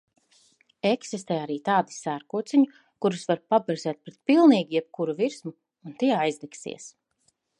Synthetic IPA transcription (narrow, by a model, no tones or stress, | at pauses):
ɛksist̪ɛːaɾiːt̪aːd̪i̥sæɾkuɔt̪siɲu | kuɾusvaɾpabɛɾzɛːt̪̚pɾɛt̪pilˠniːɡijɛb̚kuɾuviɾsmuː | nt̪iɛajzd̪ɛksḭɛs